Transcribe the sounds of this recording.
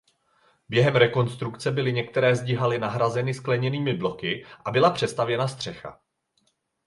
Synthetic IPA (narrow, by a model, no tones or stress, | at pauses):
bjɛɦɛmɾɛko̞nst̪ɾukt͡sɛbɪlɪɲɛk̚t̪ɛɾɛːzɟɪɦalɪnaɦɾazɛnɪsklɛɲɛniːmɪblo̞kɪʔabɪlapr̝̥ɛst̪avjɛnast̪r̝̥ɛxa̰